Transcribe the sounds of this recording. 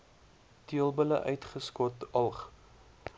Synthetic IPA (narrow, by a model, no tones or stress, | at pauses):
tiəlˠbələ̰ʔœɥtχəskɔtɐlˠχ